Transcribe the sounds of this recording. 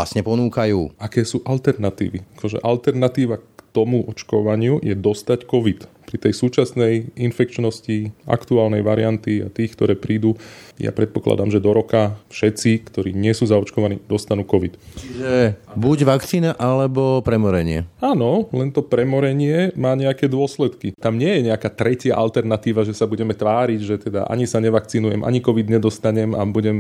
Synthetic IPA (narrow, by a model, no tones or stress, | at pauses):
a̰sɲɛpɔnuːkajuːakɛːsuːʔalt̪ɛɾnat̪ḭːʋḭakɔʒɛ̰ʔalt̪ɛɾnat̪iːʋakkt̪ɔmuʔɔt͡ʃkɔʋaɲɪujɛd̪ɔst̪ackɔʋit̪ | pɾit̪ɛjsuːt͡ʃasnɛjinfɛk̚t͡ʃnɔscia̰kt̪uaːlnɛjʋaɾiant̪ia̰t̪iːxkt̪ɔɾɛːpɾiːd̪uja̰pɾɛt̪̚pɔkla̰d̪a̰mʒɛd̪ɔɾɔkafʃɛt̪t͡sikt̪ɔɾiːɲɪɛsuːzaɔt͡ʃkɔʋanḭːd̪ɔst̪anuːkɔʋit̪t͡ʃiʒɛbuɟʋakt͡siːnaʔalɛbɔpɾɛmɔɾɛɲɪɛ̰anɔlɛnt̪ɔpɾɛmɔɾɛɲɪɛmaːɲɛakɛːd̪ʊɔslɛt̪kit̪amɲɪɛjɛɲɛakaːt̪ɾɛcɪaʔalt̪ɛɾnat̪iːʋaʒɛsabuɟɛmɛt̪ʋaːɾiɟʒɛt̪ɛd̪a̰ʔa̰ɲisaɲɛʋakt͡sinujɛmʔa̰ɲikɔʋid̪ɲɛd̪ɔst̪aɲɛma̰buɟɛm